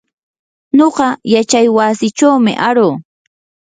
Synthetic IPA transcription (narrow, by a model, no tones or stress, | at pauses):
ɲoɢɑjat͡ʃajwasɪt͡ʃawmɪ̰ʔaɾoː